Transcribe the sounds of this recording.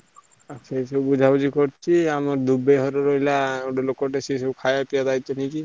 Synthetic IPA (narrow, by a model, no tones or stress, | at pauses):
asʰesɔbud͡ʒʱabud͡ʒikɔɾt͡ʃʰiamaɾd̪ubeɦɔɾɔɾɔɦilaoʈɔlokɔʈesesɔbkʰajapiad̪ajt͡ʃʰɔniki